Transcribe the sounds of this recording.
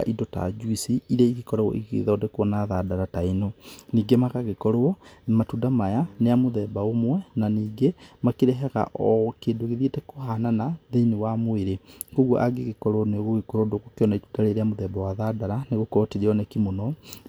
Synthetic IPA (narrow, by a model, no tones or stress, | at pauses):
a̰ʔidɔta̰d͡ʒwisiiɾɛiɣekɔɾɔɣɔ̰ʔiɣḛðɔːdɛkoɔnaðadaɾatainoniːɡemakaɣekɔɾoɔmatudamajaneamoðɛːbaomwɛnaniːɡemakeɾɛɦɛɣa̰ʔɔkeːndoɣeðietɛkohananaðeinewamoeɾekoɣɔʔaɡeɣekɔɾwɔneɣoɣekoɾodokokjɔnaitudaɾeɾeamoðɛːbawaðadaɾaneɣokɔɔteɾeɔnɛkimonɔ